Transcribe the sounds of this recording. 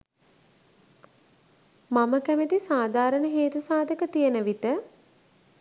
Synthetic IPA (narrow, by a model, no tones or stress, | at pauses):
maməkæmet̪isaːd̪aːɾənəɦeːt̪usaːd̪əkət̪ijənəʋit̪ə